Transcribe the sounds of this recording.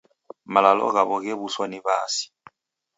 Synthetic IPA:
malalɔ̰ɣaβɔɣɛβuswaniβa̰ːsi̥

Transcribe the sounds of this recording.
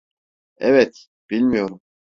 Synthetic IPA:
ɛvɛt̪ | b̥ilʲmijo̞ɾum

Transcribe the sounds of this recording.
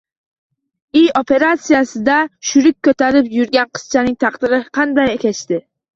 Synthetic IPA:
ijopʰe̞ɾat̪sijasɪd̪aʃʊɾɪk̚ʲkʰːɵt̪aɾɪpjʊɾɡʲanqʰɨ̥z̥t͡ʃʰanɪŋt̪ʰɑqd̪̥ɪɾɪqʰɑnd̪ajekʲat͡ʃt̪ɪ

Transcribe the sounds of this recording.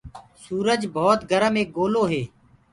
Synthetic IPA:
suːɾəd͡ʒbʱɔːt̪ɡʱəɾəmeːk̚ɡoːloːɦeː

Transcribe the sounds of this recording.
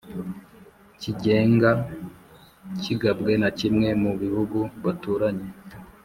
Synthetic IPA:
ciɟe̞ːŋɡa | ciɡabɡe̞nacimŋe̞muβihuɡuβatuːɾaɲe̞

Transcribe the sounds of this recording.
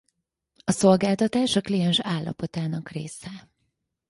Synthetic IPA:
ɒso̞lɡaːlt̪ɒt̪aːʃɒklijɛnʃaːlːɒ̰po̞t̪aːnɒkrḛːsɛ

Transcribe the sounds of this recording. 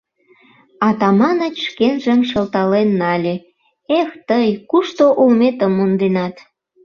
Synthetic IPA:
ɑt̪ɑmɑnət͡ɕʃkenʒə̆mʃəlt̪ɑlenːɑlʲe | ext̪əjkuʃt̪oʔulmet̪əmːund̪enɑt̪

